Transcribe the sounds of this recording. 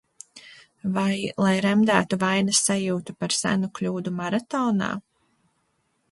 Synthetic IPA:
vajlˠajɾɛmd̪æːt̪uvajnasːajuːt̪upaɾsæ̰nuklʲuːd̪umaɾat̪ɔːna̰ː

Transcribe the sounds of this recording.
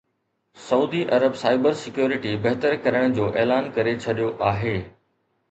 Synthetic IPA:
sɐuːd̪iʔɐɾəbsaːɪbəɾsɪkjoːɾɪʈibɐɦt̪əɾkɐɾəɽ̃d͡ʑoːʔeːlaːnkɐɾet͡ɕʰɐɗijoʔaːɦeː

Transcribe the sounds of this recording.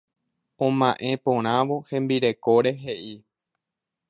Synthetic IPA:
õmãʔẽ̞põɾ̃ãʋo̞hẽ̞mbiɾe̞koɾe̞ɦe̞ʔi

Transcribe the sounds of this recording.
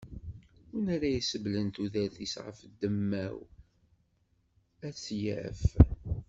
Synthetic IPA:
unæɾæjisəblənt̪uðæθisʁə̰fd̪ːəmːæ̰w | æt͡sːjæ̰f

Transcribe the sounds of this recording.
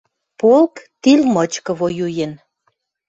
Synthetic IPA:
polkt̪ilmət͡ɕkə̆βojujen

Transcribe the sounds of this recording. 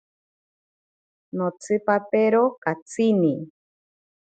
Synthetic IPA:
not͡sʰɨpapeɾokat͡sini

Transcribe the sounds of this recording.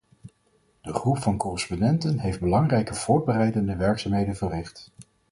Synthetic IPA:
d̥əχrupfɑnkɔrɪspondɛntənɦejfd̚bəlɑŋrɛjkəv̥ʊːɹd̚bərɛjdəndəʋɛɹksaːmɦejdənvərɪχt

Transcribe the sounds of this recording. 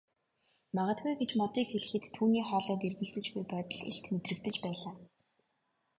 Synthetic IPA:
maʁə̆t̪̚ɡujɡet͡ɕmɔt̪iːkxeɮɘ̆xɘ̆t̪ʰːuːniːχɔːɮɔːk̪erɣɘ̆ɮt͡sɘ̆t͡ɕɡujpœːt̪ə̆ɮḛɬt̪met̪rɘ̆kt̪ɘ̆t͡ɕpæːɮaː

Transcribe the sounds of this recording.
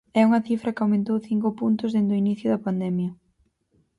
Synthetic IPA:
ɛuŋɐθifɾɐkawmẽnt̪owθiŋkʊpunt̪ʊzðend̪ʊiniθjʊðɐpand̪ɛmjɐ

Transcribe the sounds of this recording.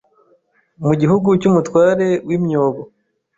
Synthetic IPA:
muɟiɦuɡucumutwaːɾe̞wimɲoːβo

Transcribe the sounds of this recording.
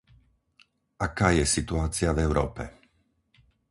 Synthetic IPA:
ʔakaːjɛsit̪uaːt͡sɪavɛʊɾɔ̰ːpɛ̰

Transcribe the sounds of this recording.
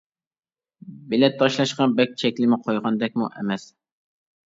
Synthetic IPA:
bɪlɛt̪ʰːɑʃlˠɑʃqɑbɛk̚ʲt͡ʃʰɛkʲlɪmɪqʰojʁɑnd̪ɛk̚ʲmuʔemɛs

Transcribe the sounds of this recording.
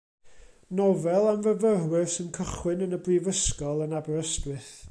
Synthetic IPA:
nɔvɛlˠanvəvərwɪrsɪnkʰəχwɪnənəbrivəskɔlˠənabɔrəstwɨθ

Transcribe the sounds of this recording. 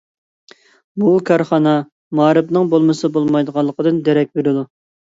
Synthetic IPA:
bukʰɑɾχɑnɑ | mɑːɾɨpnɨŋbolˠmɨsɨbolˠmɑjd̪əʁɑlˠːəqəd̪ɨnd̪ɛɾɛk̚ʲbeɾɪd̪u

